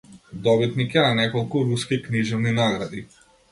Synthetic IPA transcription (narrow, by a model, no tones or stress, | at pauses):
d̪ɔbit̪nikɛnanɛkɔlˠkuɾuskikniʒɛvninaɡɾad̪i